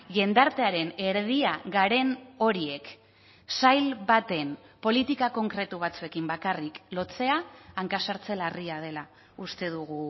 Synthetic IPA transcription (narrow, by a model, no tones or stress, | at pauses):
ʝe̞nd̪aɾt̪e̞aɾe̞ne̞ɾðiaɣaɾe̞no̞ɾie̞k | sajlβat̪e̞npo̞lit̪ikako̞ŋkɾe̞t̪uβ̞at͡sue̞kimbakariklo̞t͡se̞aːŋkasaɾt͡se̞lariað̞e̞la | ust̪e̞ðuɣu